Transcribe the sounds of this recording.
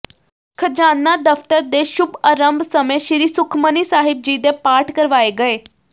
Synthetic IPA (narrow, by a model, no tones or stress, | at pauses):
kʰəd͡ʑanːad̪əft̪əɾd̪eʃubəɾəmbsəmeɕiɾiːsukʰmənisaɦib̚d͡ʑiːd̪epaɾʈʰkəɾʋaeɡəe